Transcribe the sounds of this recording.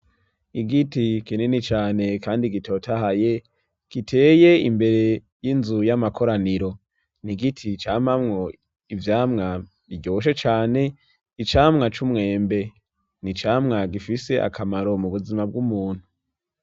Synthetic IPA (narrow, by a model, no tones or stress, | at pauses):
iɡitikinenit͡ʃaːne̞kaːndiɡitʰo̞ːtahaje | ɡ̥itʰe̞ːje̞imbe̞ɾe̞ | jinzujamakʰo̞ɾaniɾo̞ | niɡitʰit͡ʃaːmamŋo | ivjaːmŋa | iɡɟooʃ̬et͡ʃaːne̞ | it͡ʃaːmŋat͡ʃumŋe̞ːmbe̞ | nit͡ʃaːmŋaɡifise̞ʔa̰kʰamaɾo̞muβuzimab̚ɡumuːn̥hu